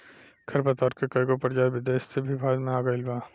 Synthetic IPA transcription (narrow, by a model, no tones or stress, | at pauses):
kʰɐɾpɐt̪ɔːɾkekɐiɡopɐɾd͡ʒaːbɪd̪eːssebʱibʱaːd̪mẽaːɡaɪlbaː